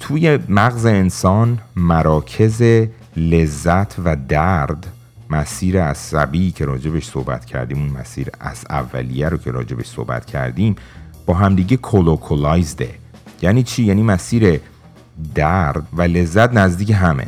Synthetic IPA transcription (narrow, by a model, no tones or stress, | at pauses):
t̪ʰuːjemæɣze̞ːnsɒːnmæɾɒːcʰe̞ze̞ | le̞zːæt̪ʰvæd̪æɾd̪ | mæsiːɾeæsæ̰biːcʰe̞ɾɒːd͡ʒe̞beʃso̰hbæ̰t̪cʰæ̰ɾd̪iːmunmæ̰siːɾʔæ̰sæ̰vːæ̰lijæɾocʰe̞ɾɒ̰ːd͡ʒe̞beʃso̰hbæ̰t̪ʰcʰæ̰ɾd̪iːmb̥ɒːɦæmd̪iːɟekʰolokʰolɒjzd̪e̞̰ | jæniːt͡ʃʰiːjæːnimæsiːɾe̞ | d̪æɾd̪væle̞zːæt̪næzd̪iːcʰeɦæmḛ